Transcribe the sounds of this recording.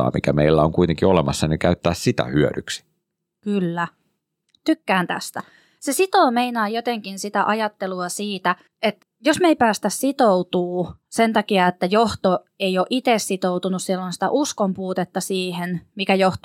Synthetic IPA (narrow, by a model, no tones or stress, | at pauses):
ɑ̰ːmikæmeilːæoŋkuit̪eŋkiolemɑsːɑnikæyt̪ːæːssit̪æ̰hyø̰ɾyksi̥ | kylːæ | t̪ykːæːnt̪æ̰st̪æ | sesit̪oːmeinɑːjot̪eŋkinsit̪æʔɑjɑt̪ːeluɑsiːt̪æ | et̪ | josmeipæːst̪æssit̪out̪uːsent̪ɑkiɑet̪ːæjoht̪o | eioʔit̪essit̪out̪unussilːonsi̥t̪æ̰ʔuskompuːt̪et̪ːɑsiːhenmikæjoht̪